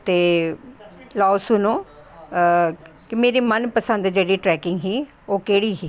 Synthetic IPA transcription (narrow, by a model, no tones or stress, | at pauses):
t̪eː | lɔːsʊnõː | kɪmeːɾiːmənpəsə̃nd̪d͡ʒeːɽiːʈɾɛːkɪŋɡɦiː | oːkeːɽiːɦiː